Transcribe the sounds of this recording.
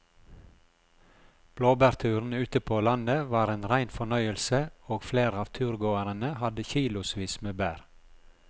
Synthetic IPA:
b̥loːbæɾt̪ʰʉːɾn̩ʉːt̪əpʰoːlɑnəʋɑːɾeːnɾæɪnfɔɳœʏəlsəoːɡfleːɾɑːʋt̪ʰʉːɾɡoːəɾənəhɑd̪əçiːlʊsʋiːsmeːbæːɾ

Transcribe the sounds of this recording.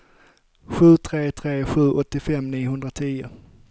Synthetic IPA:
ɧʉ̟ːt̪ʰɾeːt̪ʰɾeːɧʉ̟ːʔɔt̪ːɪfɛmːniːʊhɵnd̪ɾat̪ʰiːʊ̰

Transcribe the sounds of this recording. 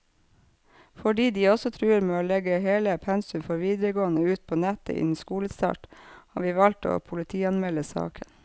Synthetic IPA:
fɔɖiːd̪iːɔsɔt̪ʰɾʉːəɾmeːoːlɛɡəɦeːləpʰɛnsʉmfɔɾʋiːd̪ɾəɡoːənəʉːt̪̚pʰoːnɛt̪ə̰ʔɪ̰nn̩skuːləst̪ɑ̰ːʈhɑ̰ʋiːʋɑlt̪o̰ːpʰʊlɪt̪ʰiːɑnmɛləsɑ̰ːkʰən

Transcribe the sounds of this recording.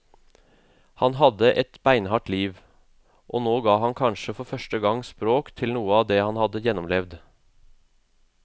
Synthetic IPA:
hɑnɦɑd̪əʔɛt̪bæɪnhɑːʈliːʋ | ʔoːnoːɡɑːhɑnkʰɑnʃəfɔɾfœʃʈəɡɑŋspɾoːkt̪ʰɪlnuːəɑːd̪eːhɑnhɑd̪əjɛnɔmlɛʋd̪

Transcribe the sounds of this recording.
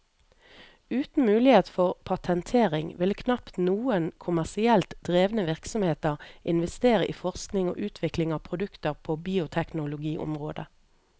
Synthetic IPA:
ʉːt̪n̩mʉːlɪheːt̪fɔʁpʰɑt̪ʰɛnt̪ʰeːʁɪŋʋɪlkʰnɑpt̪nuːənkʰʊmæʁsɪɛlt̪d̪̥ʁeːʋnəʋɪʁksɔmheːt̪əʁʔɪnʋɛst̪eːʁəʔḭːfɔʁsknɪŋo̰ːʔʉːt̪ʰʋɪklɪŋɑːʋpʰʁʊd̪ʉkt̪əʁpʰoːbiːʊt̪ʰɛknʊlʊɡiːʔʊ̰mʁoːd̪ə

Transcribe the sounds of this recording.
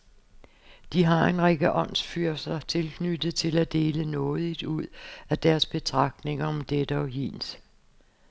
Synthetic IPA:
d̥iɦɑ̈e̝nʁeɡ̥əʔɒ̽n̰sfyɐsɐt͡sʰe̝lkʰnyd̥ð̩ˠt͡sʰe̝læd̥e̝ːlənɔ̽ːð̞ˠid̥uð̰ˠæd̥æɐsb̥e̝t͡sʰʁɑ̈ɡ̥̚d̥ne̝ŋɐɒ̽md̥ed̥əɒ̽ɦḭːns

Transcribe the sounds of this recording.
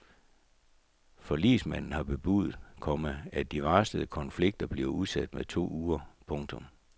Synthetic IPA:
fɒ̽lḭsmæn̰n̩hɑ̈b̥e̝b̥uð̩ˠkʰɒ̽məæd̥iʋɑ̈ːsd̥əð̩ˠkʰɒ̽nfliɡ̥̚d̥ɐb̥liɐuðˠsæd̥meðˠt͡sʰo̝̰ːuːɐpʰɔ̽ŋt͡sʰɔ̽m

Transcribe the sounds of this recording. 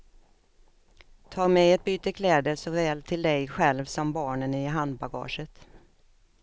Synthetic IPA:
t̪ʰɑːɾmɛɛt̪̚byːt̪əkʰlɛːd̪əsɔvɛːlt̪ʰɪld̪ɛjɧɛlvsɔmbɑːɳənɪɦand̪̚baɡɑ̰ːʂət̪

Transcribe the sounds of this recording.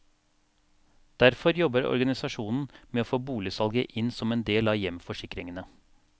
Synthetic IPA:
d̪̥æɾfɔɾjɔbəɾɔ̰ɾɡɑnɪsɑʂuːnn̩meːoːfoːbuːlɪsɑlɡəʔɪnsɔmeːnd̪eːlɑːjɛmfɔʂɪkɾɪŋənə

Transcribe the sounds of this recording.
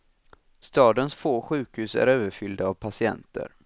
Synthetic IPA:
st̪ɑːd̪ənsfoːɧʉ̟ːkhʉ̟ːsæ̰ɾøːvəɾfʏld̪aːvpʰasɪɛ̰nt̪ʰə̰ɾ

